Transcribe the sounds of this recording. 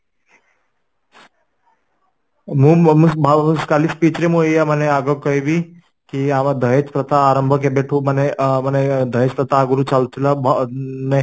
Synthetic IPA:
mũmubaskaːlispiːt͡ʃɾemuijaməneaɡəkəibi | kiaʋad̪ʱəɦet͡ʃpɾɐt̪aːɾə̃mbʱək̬ebeʈʰũmaneməned̪ʱəɦeːt͡ʃpɾɐt̪aːɡuɾut͡ʃalt̪ilabne

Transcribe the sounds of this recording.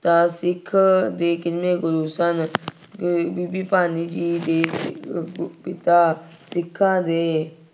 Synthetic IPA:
t̪ãːsɪkʰːd̪eːkɪnmẽːɡʊɾuːsən | biːbiːpaːniːd͡ʒiːd̪eː | pɪt̪aː | sɪkʰːãːd̪eː

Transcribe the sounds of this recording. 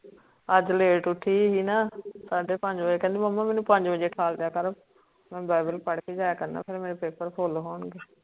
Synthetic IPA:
əd͡ʒleːʈʊʈʰːiːɦiːnaːsaːɖeːpəɲd͡ʒbəd͡ʒeːkɛ̃ːnd̪iːməmːaːmɛːnũːpəɲd͡ʒbəd͡ʒeːʈʰaːld̪ejaːkəɾ | mɛ̃ːbaːbəlpəɽkeːd͡ʒaːjaːkəɾna̰ːpʰɪɾmeːɾepeːpəɾpʰoːlːɦoːɳɡeː

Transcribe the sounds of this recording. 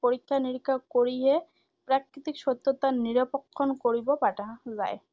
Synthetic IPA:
poɾikʰːaniɾkʰːakoɾiɦe | pɾakɾit̪ikʃot̪ːot̪aniɾapokʰːonkoɾibopaʈaza̰e

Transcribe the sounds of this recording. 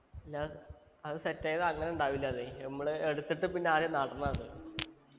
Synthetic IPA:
ɐlːa | ɐðɨsetːeːjɐðɐŋːɐne̞uɳɖaːʋilːɐðemːɐɭeɽut̪ːiʈːɨpinːeaːɾjɐmnaːʈːɐnːanɨ

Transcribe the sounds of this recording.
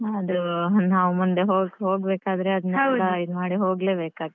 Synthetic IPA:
ɐd̪unaːʋmund̪eɦoːɦoːɡbeːkaːd̪ɾe̞ɐd̪unɛɐwɐid̪maːɽiɦo̞ːɡle̞ːbeːkaːɡ̪̚

